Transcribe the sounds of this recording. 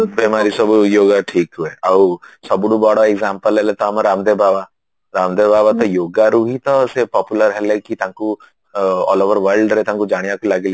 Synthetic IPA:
beːmaːɾisɐbjoːɡaʈʰiːkɦueɐsɐbɽubɔɽoeɡzãːmpəlelet̪oɦɐmaɾaːmd̪ebaːʋa | ɾaːmd̪ebaːʋat̪ojoːɡaɾuɦit̪osepɔːpjuləɾɦɛlekit̪ãku | ɔ̰ːloːʋəɾʋəɾlɖɾɛt̪ãkud͡ʒaːɽ̃ijakulaɡele

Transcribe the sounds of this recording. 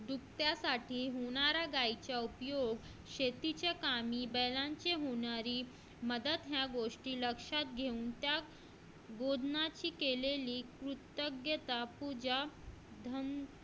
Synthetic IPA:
d̪uk̚t̪jasaʈʰiːɦoɽ̃aɾaɡait͡ɕjaupjoɡ | ɕet̪it͡ɕakamiːbəlãɲt͡ɕeɦoɽ̃aɾiː | məd̪ət̪ɦjaɡoʂʈiːləkʂat̪ɡʱeuːnt̪ja | ɡod̪nat͡ɕiːkeleliːkɾut̪əɡjət̪apud͡ʑad̪ʱəm

